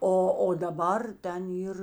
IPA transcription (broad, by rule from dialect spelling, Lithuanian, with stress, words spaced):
ˈoː oː dɐˈbɐr ˈtʲɛn ˈiːr